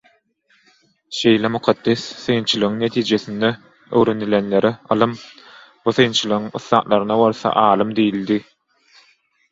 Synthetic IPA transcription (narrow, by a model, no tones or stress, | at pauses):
ʃe̞jlemuqʰɑd̪̥ːeθːɯjnt͡ʃʰɯlˠɯʁɯŋnet̪ʰiːd͡ʒeθind̪e | ø̰wɾe̞nilʲenle̞ɾiɑ̰lˠɯm | b̥uθɯjnt͡ʃʰɯlˠɯʁɯŋɯ̰θːˠɑːʔ̪lˠɑɾɯnɑbolθɑ̰ʔɑːlˠɯmd̪ijilʲd̪i